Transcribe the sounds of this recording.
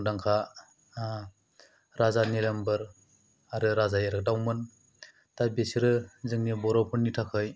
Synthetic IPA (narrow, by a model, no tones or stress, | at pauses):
daŋkʰa | ɾazanelembɯɾ | aɾɯɾazajeɾɯk̚dawmɯn | tabesiɾɯzɯŋnibɔɾɔpʰɯnːitʰakʰɯj